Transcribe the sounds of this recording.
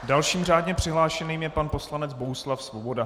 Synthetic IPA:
dalʃiːmr̝aːdɲɛpr̥ɪɦlaːʃɛniːmjɛpanpo̞slanɛd͡zbo̞ɦuslafsvobo̞da

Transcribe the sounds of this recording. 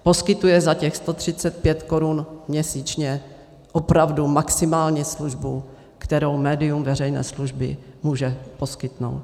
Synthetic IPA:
po̞skɪt̪ujɛzacɛxst̪o̞t̪r̝̥ɪt͡sɛt̪̚pjɛt̪ko̞ɾunmɲɛsiːt͡ʃɲɛ | ʔopɾavdumaksɪmaːlɲɛsluʒbu | kt̪ɛɾo̞wmɛːdɪumvɛrɛjnɛ̰ːsluʒbɪ̰muːʒɛpo̞skɪt̪no̞̰wt̪

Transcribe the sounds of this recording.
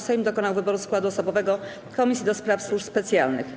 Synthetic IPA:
sɛjmd̪ɔkɔnawvɘbɔɾuskwad̪uɔsɔbɔvɛɡɔ | kɔmʲisʲjid̪ɔspɾafswuʂspɛt̪sʲjalnɘ̰x

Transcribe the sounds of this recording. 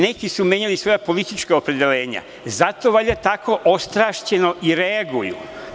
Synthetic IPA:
ne̞kisume̞ɲalisʋo̞japo̞lit̪it͡ʃkaopɾe̞d̪e̞le̞ːɲa̰ | zat̪o̞ʋaʎat̪ako̞ʔost̪ɾaːʃt͡ɕe̞noʔiɾeaɡujṵ

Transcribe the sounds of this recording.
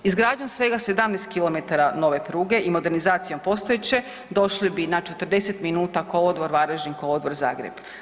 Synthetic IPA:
izɡɾaːd̪ɲo̞msʋe̞ɡase̞d̪amnest̪̚kilo̞met̪aɾano̞ʋe̞pɾuːɡe̞ʔimo̞d̪eɾnizaːt̪sijompo̞st̪oet͡ɕe̞ | d̪o̞ʃlibinat͡ʃe̞t̪r̩d̪e̞se̞t̪minuːt̪akolod̪ʋo̞ɾʋaɾeʒnikolod̪ʋo̞ɾza̰ːɡɾḛb̥

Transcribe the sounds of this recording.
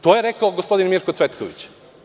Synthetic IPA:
t̪ojeɾekaoɡospo̞d̪inmiɾkosʋet̪koʋḭt͡ɕ

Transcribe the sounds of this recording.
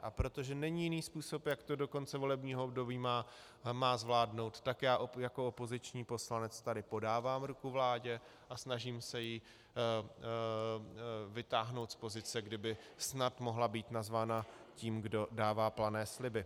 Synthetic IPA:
ʔapɾo̞t̪o̞ʒɛnɛɲiːjɪniːspuːso̞pjakt̪odo̞ko̞nt͡sɛvo̞lɛbɲiːɦoobdo̞biːmaː | maːzvlaːdno̞wt̪ːakjaːʔojako̞opo̞zɪt͡ʃɲiːpo̞slanɛt͡st̪adɪpo̞daːvaːmɾukuvlaːɟɛ | ʔasnaʒiːmsɛji | vɪt̪aːɦnowt̪spo̞zɪt͡sɛɡdɪbɪsnat̪mo̞ɦlabiːt̪nazvaːnaciːmɡdo̞daːvaːplanɛːslɪbɪ

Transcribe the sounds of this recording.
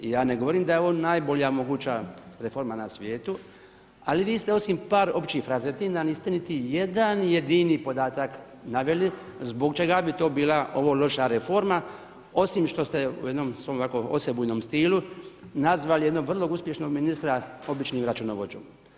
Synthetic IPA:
ijaːneɡo̞ʋo̞ɾiːmd̪ajeoʋoːnnaːjbo̞lijamo̞ɡuːt͡ʃaɾe̞fo̞ɾmanasʋjeːt̪u | aliʋiːst̪e̞o̞simpaːɾo̞pt͡ʃixɾazet̪inaniːst̪enit̪ije̞d̪anje̞d̪inipo̞d̪aːt̪ak | naʋe̞li | zbo̞kt͡ʃe̞ɡabit̪o̞ːbiːlao̞ʋo̞ːlo̞ʃaɾefo̞ɾma | o̞simʃt̪o̞st̪eṵje̞d̪nomsʋomʋakoo̰sebujendnoːmst̪iːlunazʋalije̞d̪no̞ɡʋr̩lˠo̞ɡuspje̞ʃno̞ɡminist̪ɾao̞bit͡ʃniːmɾat͡ʃunoʋod͡ʒoːm

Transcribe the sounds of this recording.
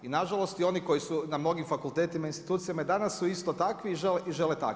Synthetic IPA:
inaʒalˠo̞st̪io̞niko̞jisunamno̞ɡimfakulˠt̪e̞ːt̪imainst̪i̥t̪uːt̪sijamad̪anasːuist̪ot̪akʋiːʒeleʔiʒe̞let̪a̰k

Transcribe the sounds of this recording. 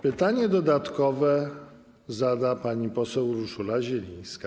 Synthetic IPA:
pɘt̪aɲɛd̪ɔd̪at̪kɔvɛ | zad̪apaɲipɔsɛwɾuʂulaʑɛlʲĩj̃ska

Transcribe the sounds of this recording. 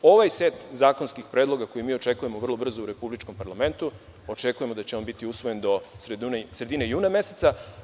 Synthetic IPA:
o̞ʋajse̞t̪zaːko̞nskixpɾe̞ːd̪lˠo̞ɡako̞jimiːot͡ʃekujemo̞ʋr̩lˠo̞br̩zouɾe̞publit͡ʃko̞mpaɾlame̞nt̪u | ot͡ʃekuje̞mo̞d̪at͡ɕeo̞nbit̪iusʋo̞jend̪o̞sɾed̪unsɾe̞d̪inejuːname̞set̪sa

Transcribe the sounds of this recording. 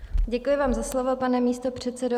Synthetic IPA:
ɟɛkujɪvaːmzaslovopanɛmiːst̪opr̝̥ɛt̪t͡sɛdo

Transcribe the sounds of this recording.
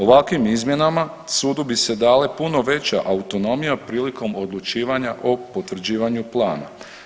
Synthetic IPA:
o̞ʋakʋimizmje̞nama | suːd̪ubise̞d̪aːle̞puno̞ʋe̞t͡ɕaʔaut̪o̞no̞mijapɾiːliko̞mo̞d̪lˠut͡ʃiːʋaɲaʔo̞po̞t̪ʋr̩d͡ʑiːʋaɲuplˠaːna̰

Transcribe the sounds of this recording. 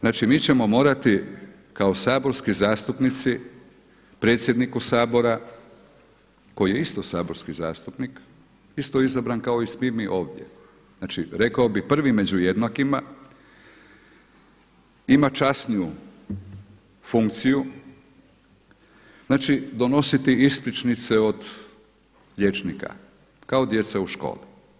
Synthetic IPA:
znaːt͡ʃimiːt͡ɕe̞mo̞mo̞ːɾat̪i | kao̞saːbo̞ɾskizaːst̪upnit̪si | pɾe̞t̪sje̞d̪nikusaːbo̞ɾa | ko̞jije̞ist̪osaːbo̞ɾskiza̰ːst̪upnik | ist̪oizabɾankao̞ismiɾmiʔo̞ːʋd̪je̞̰ | znaːt͡ʃiɾe̞kaobipr̩ʋime̞d͡ʑujed̪nakima | imat͡ʃasniju | fuŋkt̪siju | znaːt͡ʃid̪o̞no̞sit̪iisplit͡ʃnit̪seo̞d̪ | ʎet͡ʃnika̰ | kao̞d̪je̞t̪sauʃko̰ːli

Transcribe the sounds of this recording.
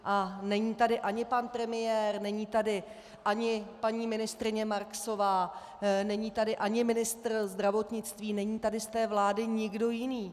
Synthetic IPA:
ʔanɛɲiːt̪adɪʔaɲɪpanpɾɛmɪjɛːrnɛɲiːt̪adɪ | ʔaɲɪpaɲiːmɪnɪst̪ɾɪɲɛmaɾkso̞vaː | nɛɲiːt̪adɪʔaɲɪmɪnɪst̪rzd̪ɾavo̞t̪ɲɪt͡st̪viːnɛɲiːt̪adɪst̪ɛːvlaːdɪɲɪɡdo̞jɪniː

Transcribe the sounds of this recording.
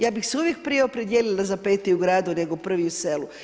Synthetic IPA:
jaːbixseuʋjek̚pɾijeopɾed̪jeːlilazapeːt̪ɛuɡɾaːd̪une̞ɡopr̩ʋiuselu

